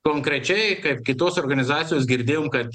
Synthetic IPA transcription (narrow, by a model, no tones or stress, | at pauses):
koːŋkɾʲɛt͡ʃʲɛɪkɐɪpkʲɪt̪oːsoːɾɡɐnʲɪzɑːt̪sʲɪjoːs̬ɡʲɪɾʲd̪ʲeːjoːmkɐt̪